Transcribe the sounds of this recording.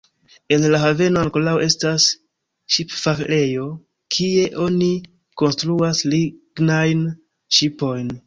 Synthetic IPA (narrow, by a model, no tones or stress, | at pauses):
e̞nlaɦave̞noaŋko̞laoʔe̞stas | ʃipfakle̞jo̞ | kʰie̞ʔo̞ni | ko̞nstɾuasliɡnajn | ʃipo̞jn